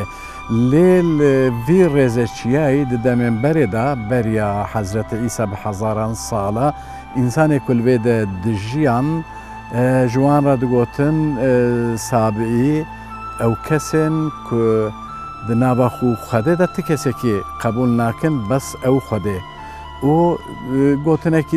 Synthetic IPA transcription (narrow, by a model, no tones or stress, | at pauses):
leːlɨviːreːzɛt͡ʃʰijaːid̪ɨd̪ɛmeːmbɛɾeːd̪ɑbɛɾijɑːħazɾɛt̪ʰɛiːsɑːbɨhɛzɑːɾɑːnsɑːlɑ | insɑːneːkʰʊlɨveːd̪ɛd̪ɨʒijɑːn | ʒɨwɑːnrɑd̪ɨɡoːt̪ʰɨn | sɑːbɨi | ɛwkʰɛseːnkʰʊ | d̪ɨnɑːvɑːxuxʷɛd̪eːd̪ɑt̪ʰɨkʰɛsɛkeqʰɛbuːlnaːkɨnbɛsɛwxʷɛd̪eː | uː | ɡoːt̪ʰɨnɛki